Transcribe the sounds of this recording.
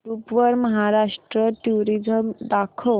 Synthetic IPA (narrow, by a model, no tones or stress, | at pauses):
ɾupʋəɾməɦaɾaʂʈɾəʈuɾid͡zəmd̪akʰo